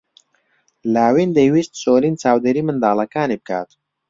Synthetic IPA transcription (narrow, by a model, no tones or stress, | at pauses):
laːwind̪əwist̪soːlint͡saːwd̪eɾimɨnd̪aːlɐkaːnib̚kʰa̰ːt̪